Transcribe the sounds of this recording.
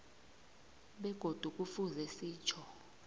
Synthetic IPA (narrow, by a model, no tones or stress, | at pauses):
ɓɛɡ̥ʱod̥ʱuk̬ʼufuzɛsiːt͡ʃʰɔ